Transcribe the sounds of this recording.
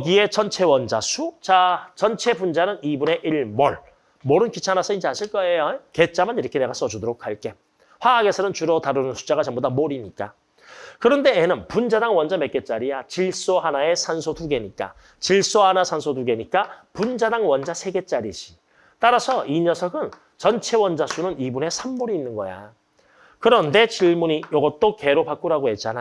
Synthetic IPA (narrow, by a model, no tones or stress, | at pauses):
ɡie̞t͡ɕʌnt͡ɕʰe̞wʌnd͡ʑa̰sʰut͡ɕat͡ɕʌnt͡ɕʰe̞bund͡ʑanɯnibune̞ʔiɭmoɭ | moɾɯnkit͡ɕʰanasʰʌid͡ʑiaɕʰiɭk͈ʌejake̞t͡ɕ͈amɯniɾʌkʰene̞ɡas͈ʌd͡ʑudoɾok̚ʰaɭk͈e̞ | ɸwaːɡe̞sʰʌnɯnt͡ɕuɾʌtaɾɯnɯnsʰu̥t͡ɕ͈aɣat͡ɕʌmbodamoɾiɲik͈a̰ | kɯɾʌnde̞enɯnpund͡ʑadaŋwʌnd͡ʑame̞k͈e̞t͡ɕ͈aɾijat͡ɕiɭs͈oɦanae̞sʰansʰotuɡe̞ɲik͈a̰ | t͡ɕiɭs͈ohanasʰansʰoduɡe̞ɲik͈apund͡ʑadaŋwʌnd͡ʑasʰe̞ɡe̞t͡ɕ͈aɾid͡ʑi | t͈aɾasʰʌiɲʌsʰʌɡɯn | t͡ɕʌnt͡ɕʰe̞wʌnd͡ʑasʰunɯnibune̞sʰamːoɾiːnːɯnɡʌ̰ja̰ | kɯɾʌnde̞t͡ɕiɭmuɲijʌɡʌt͈oke̞ɾopak͈uɾaɡohet͡ɕ͈ana